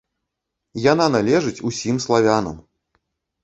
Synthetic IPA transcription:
jan̪analʲɛʐɨt͡sʲusʲimslˠavʲanɐ̰m

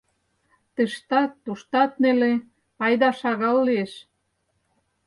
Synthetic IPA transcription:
t̪ə̆ʃt̪ɑt̪ːuʃt̪ɑt̪nele | ɑjd̪ɑʃɑɣɑlːieʃ

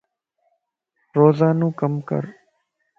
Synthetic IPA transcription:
ɾoːzaːnũːkəmkə̰ɾ

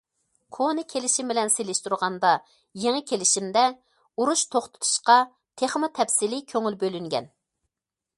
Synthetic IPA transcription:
kʰonɨkʲʰelɪʃimbɪlɛnselɪʃt̪uɾʁɑnd̪ɑ | jeŋɨkʲʰelɪʃimd̪ɛ | uɾuʃt̪ʰoχt̪ʰʊ̥t̪ʰu̥ʃqɑ | t̪ʰeχmɨt̪ʰɛpsɪlɪkʲʰøŋylbølyŋɡʲɛ̰n

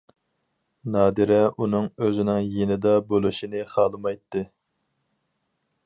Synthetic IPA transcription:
nɑːd̪ɨɾɛʔunɨŋøzɪnɪŋjenɪd̪ɑbolˠɨʃinɨχɑːlˠɨmɑjt̪ʰːɨ

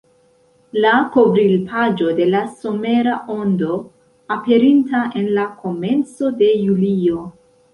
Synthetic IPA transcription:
lako̞vɾilpʰad͡ʒo̞de̞laso̞me̞ɾaʔo̞ndo̞ | ape̞ɾintae̞nlako̞me̞nt͡so̞de̞julio̞

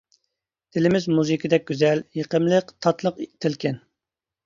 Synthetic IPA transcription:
d̪̥ɪlɪmɪzmuzɨkʲʰəd̪ɛk̚ʲɡʲyzɛljeqʰəmlˠəqt̪ʰɑt̪lˠəqt̪ʰɪlkʲʰɛn

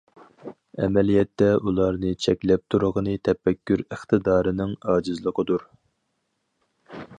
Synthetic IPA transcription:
ɛ̰mɛlijɛt̪ːɛʔulˠɑɾnɨt͡ʃʰɛkʲlɛp̚t̪ʰuɾəʁənɨt̪ʰɛpːɛkʲːyɾəχt̪ʰɨd̪ɑːɾɨnɪŋɑːd͡ʒɨzlˠəqʰəd̪uɾ

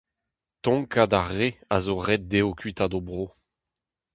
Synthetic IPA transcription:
tɔ̃ŋkadaʁea̰zoʁɛd̚d̪eokɥit̪adobʁo

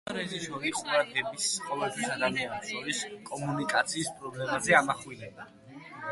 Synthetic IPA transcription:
ɾɛʒisɔɾiqʼuɾad̪ɛbisqʼɔvɛlt̪ʰwisad̪amianɔsʰɔɾiskʼɔmunikʼat̪sʰiːspʼɾɔblɛmazɛamaχwilɛba

